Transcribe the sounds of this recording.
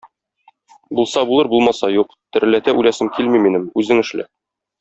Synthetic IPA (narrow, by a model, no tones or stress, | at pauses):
bulˠsɑbulˠɤɾbulˠmɑsɑjuqt̪ɘ̆ɾ̆læt̪æʔʉlæsɘmkilmiminɘmʉzɘŋɘ̆ʃlɘ̰